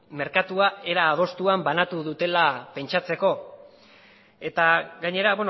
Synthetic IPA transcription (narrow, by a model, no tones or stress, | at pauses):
me̞ɾkat̪uae̞ɾaːð̞o̞st̪uambanat̪uðut̪e̞lape̞nt͡ʃat͡se̞ko̞ | e̞t̪aɡaɲe̞ɾaβwen